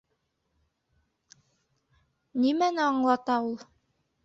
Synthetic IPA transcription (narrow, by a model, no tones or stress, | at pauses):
nimænɘɑɴlˠɑt̪ɑulˠ